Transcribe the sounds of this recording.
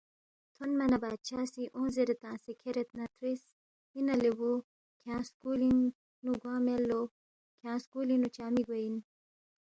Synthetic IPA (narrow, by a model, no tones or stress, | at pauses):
t̪ʰonmɐnɐbaːt͡ʃʰaːsiʔõːzeɾet̪ãːsekʰeɾet̪nɐt̪ɾis | inɐlewu | kʰãːskuːliŋ | nuɡwãːmelːo | kʰãːskulinut͡ʃaːmiɡein